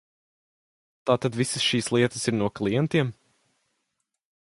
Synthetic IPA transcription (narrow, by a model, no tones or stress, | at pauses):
t̪aːt̪ad̪visəsʃiːslˠiɛt̪əsiɾnuɔklˠijɛnt̪iɛm